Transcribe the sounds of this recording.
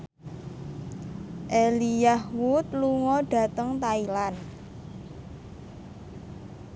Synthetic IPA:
ʔelijahwut̪̚luŋɔɖ̥ä̤t̪əŋt̪ailan

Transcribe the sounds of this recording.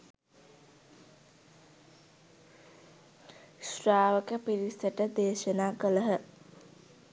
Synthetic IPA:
sraːʋəkəpiɾisəʈəd̪eːʃənaːkələɦə

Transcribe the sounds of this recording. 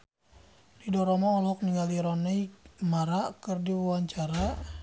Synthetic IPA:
didɔɾɔmɔɔlɦɔk̚niŋaliɾɔnɛjmaɾaʔkərdiwwaɲt͡ʃaɾa

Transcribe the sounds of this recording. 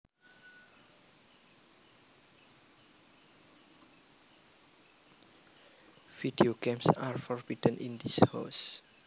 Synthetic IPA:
vidioɡẽmsaɹfɔɹbidə̃nʔind̪isha̰s

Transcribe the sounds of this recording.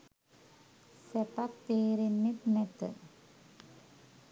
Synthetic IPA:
sɛpak̚t̪eːɾinːit̪nɛt̪ə̰

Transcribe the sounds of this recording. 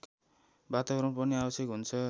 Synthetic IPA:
bat̪abʌrʌmpʌniabʌsjekɦunt͡sʰʌ

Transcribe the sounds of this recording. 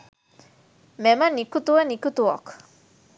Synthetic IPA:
mɛmanikut̪uanikut̪uɔk

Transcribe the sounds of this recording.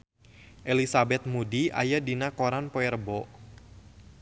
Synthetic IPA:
ʔelisabɛt̪̚mudia̰jadinakoɾanpoɛrbɔ

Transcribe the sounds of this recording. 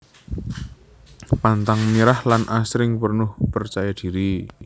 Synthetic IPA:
pant̪aŋmiɾahlanʔasɾɪŋpərnʊhpərt͡ʃajad̪̥i̤ɾi

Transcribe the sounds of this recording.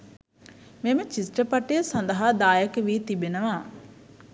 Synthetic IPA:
memət͡ʃisʈɾəpɐʈesɐnd̪ɐɦaːd̪aːjɐkəʋiːt̪ibenɐʋaː

